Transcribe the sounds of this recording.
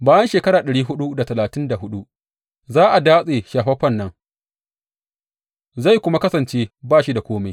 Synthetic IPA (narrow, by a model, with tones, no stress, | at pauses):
baː˦jɐ˦nʃeː˨kɐ˦ɾaː˨ɗɐ˨ɽiː˦ɦʊ˦ɗu˦da˨tɐ˨laː˨tɪ˦nda˨hʊ˦ɗu˦ʔ | zaː˦ʔa˨daː˦sʼeː˨ʃaː˨ɸɐ˦ɸɐ˦˨nːɐ˦ŋ | za˦˨jkʷʊ˦ma˦kɐ˦sɐ˨nt͡ʃeː˦baː˦˨ʃi˦da˨kʷoː˦ma˨j